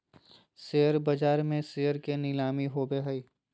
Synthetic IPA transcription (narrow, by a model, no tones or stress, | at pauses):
seːəɾbɐd͡ʒaːɾmẽsejəɾkenɪlaːmiɦobeɦəiː